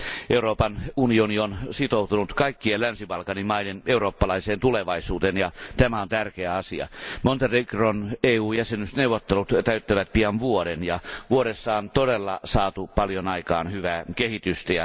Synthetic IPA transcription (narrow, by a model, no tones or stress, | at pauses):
ʔeuroːpɑnunionionsit̪out̪unut̪kɑikːiellænsiʋɑlkɑnimɑineneuroːpːɑlɑiseːnt̪uleʋɑisuːt̪enjɑt̪æmæont̪ærkeæɑsiɑ̰mont̪erikroneːuːjæsenysneuʋːˑot̪ːelut̪t̪æyt̪ːæʋæt̪̚piɑnʋuodenjɑʋuoɾesːɑːnt̪odelːɑsɑːt̪upɑljonɑikɑ̰ːnhyʋæːkehit̪yst̪æjɑ